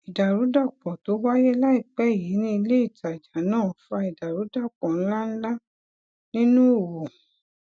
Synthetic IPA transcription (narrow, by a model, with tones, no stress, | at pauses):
i˨da˨ɾu˨˦da˦˨k͡pɔ˨to˨˦wa˦jɛ˦la˦i˦˨k͡pɛ˦˨ji˨˦nĩ˦i˧le˦i˦˨ta˨d͡ʒa˨˦nãː˦˨fa˧i˨da˨ɾu˨˦da˦˨k͡pɔ̃˨n̩˦la˦n̩˦la˦ | nĩ˦nũ˦o˦˨wo˨